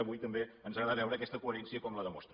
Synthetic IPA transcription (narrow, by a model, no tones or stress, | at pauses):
βujt̪əmbeənzəɣɾaðaβɛwɾəːkɛst̪əkuəɾɛnsiəkɔmləðəmust̪ɾ